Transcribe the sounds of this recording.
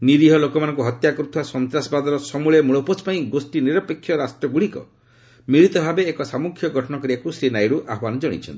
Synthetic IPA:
niɾiɦɔlokɔmanɔ̃ŋkuɦɔt̪jakɔɾut̪ʰuwasɔnt̪ɾasbad̪ɔɾɔsɔmuɭɔmuɭɔpɔt͡ʃpaĩɡosʈiniɾɔpekʰːjɔɾasʈɾɔɡuɭikɔ̰ | miɭit̪ɔbʱabeːkɔsamukʰjɔɡʱɔʈʰɔnɔkɔɾiakusɾinajɾuʔaɦɔbanɔd͡ʒɔɽ̃ḭt͡ʃʰɔ̰nt̪i

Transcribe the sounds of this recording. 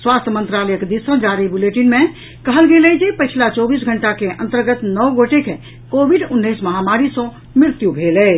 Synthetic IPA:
swast̪ʰjəmənt̪ɾaləjəkd̪isə̃d͡ʒaɾibuleʈinme | kəɦəlɡelɛd͡ʒepət͡ʃʰlat͡ʃɔbisɡʱəɳʈakeʔə̰̃nt̪əɾɡət̪nɔwɡoʈeke | kobʱiɖunːəjsməɦamaɾisə̃ | mɾɪɾt̪jubʱelɛ

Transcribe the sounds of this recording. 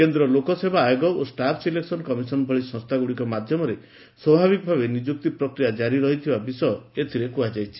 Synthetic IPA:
kend̪ɾɔlokɔsebaːjoɡɔosʈapʰsileksɔnkɔmisɔnbʱɔɭisɔ̃st̪ʰaɡuɽikɔmad̪ʱjɔmɔɾe | swɔbʱaβikɔbʱabenid͡ʒuk̚t̪ipɾɔkɾijad͡ʒaɾiɾɔɦit̪ʰibabisɔjɔet̪ʰiɾekuad͡ʒajt͡ʃʰi̥

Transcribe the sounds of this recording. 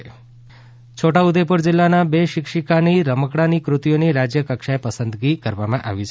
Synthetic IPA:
t͡ʃʰoʈaud̪epuɾd͡ʒɪlːanabeʃɪkʂikaniɾəməkɽanikɾut̪ijoniɾad͡ʒjəkəkʃaepəsənd̪ɡikəɾʋamãʔa̰ʋit͡ʃʰe

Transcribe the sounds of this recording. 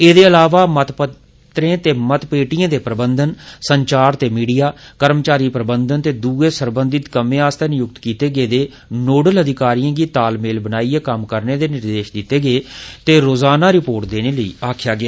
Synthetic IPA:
eːd̪eːəlaːʋaːmət̪pə | t̪ɾẽːt̪eːmət̪peːʈijãːd̪eːpɾəbənd̪ənsəɲt͡ʃaːɾt̪eːmiːɽijaːkəɾmt͡ʃaːɾiːpɾəbənd̪ənt̪eːd̪uːeːsəɾbənd̪ɪt̪kəmẽːaːst̪eːnɪjʊk̚t̪kiːt̪eːɡeːd̪eː | noːɖələd̪ʱɪkaːɾijãːɡiːt̪aːlmeːlbənaːiːeːkəmkəɾneːd̪eːnɪɾd̪eːʃd̪ɪt̪ːeːɡeːt̪eːɾoːzaːnaːɾɪpoːɾʈ̚d̪eːneːləḭːaːkʰjaːɡɪaː

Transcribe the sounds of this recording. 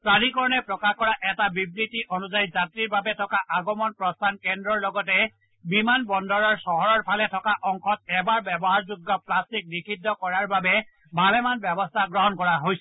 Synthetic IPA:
pɹalikɔɹɔnɛpɹɔkakɔɹaʔɛtabibnitiʔonuzajzatɹiɹbabɛtʰɔkaʔaɡɔmɔnpɹɔstʰankɛndɹɔɹlɔɡɔtɛ | bimanbɔndɔɹɔɹsɔɦɔɹɔɹpʰalɛtʰɔkaʔɔŋkʰɔt̚ɛbaɹbɛbɔɦaɹzuɡːɔplastik̚nikʰidːɔkɔɹaɹbabɛ | bʱalɛmanbɛbɔstʰaɡɹɔɦɔnkɔɹaɦojsɛ

